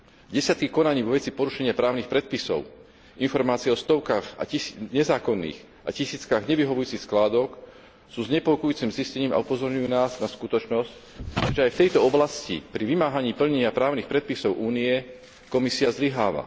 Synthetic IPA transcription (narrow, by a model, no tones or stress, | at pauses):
ɟɛsɪat̪̚kikɔnaɲiːʋɔʋɛt͡sipɔɾuʃɛɲɪapɾaːʊnixpɾɛt̪̚pisɔ̰ʊ | infɔɾmaːt͡sijɛɔst̪ɔʊkaːɣa̰ciɲɛzaːkɔnːḭːx | ʔa̰cisiːt͡skaɣɲɛʋiɦɔʋujuːt͡sixsklaːd̪ɔk | suːzɲɛpɔkujuːt͡simziscɛɲiːma̰upɔzɔɾɲujuːnaːznaskut̪ɔt͡ʃnɔsc | ʒɛajft̪ɛjt̪ɔɔblascḭpɾiʋimaːɦaɲiːpl̩ɲɛɲɪapɾaːʊnixpɾɛt̪̚pisɔʊʔuːniɛ | kɔmisiazliɦaːʋa̰